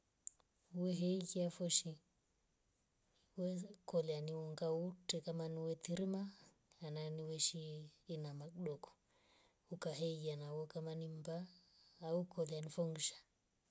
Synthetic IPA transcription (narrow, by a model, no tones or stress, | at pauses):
wɛɦɛikiafɔʃi | wɛkɔlianiɔŋɡautɛkamaniwɛt̪iɾima | ananiwɛʃiːnamakɗɔkɔ̥ | ukaɦɛikianawɔkamanimbaː | ukɔlianifɔŋɡʃḁ